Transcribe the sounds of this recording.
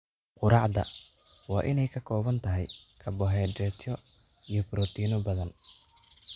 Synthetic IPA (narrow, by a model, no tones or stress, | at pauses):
qʊɾɑʕd̪ɐ̰ | wɑːʔɪnɛjkʰɐkʰɔːβɐnt̪ʰɐɦɛjkʰɐbɔɦɛːdɛt̪ʰɔ | ijɔbɾɔːt̪ʰiːnɔbɐðɐn